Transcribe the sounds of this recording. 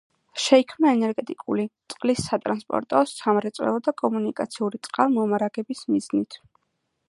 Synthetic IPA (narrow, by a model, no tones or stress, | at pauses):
ʃɛikʰmnaɛnɛɾɡɛt̪ʼikʼulit̪sʼqʼlisːat̪ʼɾanspʼɔ̰ɾt̪ʼɔsamɾɛt̪sʼwɛ̰lˠɔd̪akʼɔmunikʼat̪sʰiuɾit̪sʼqʼalˠmɔmaɾaɡɛbismiznit̪ʰ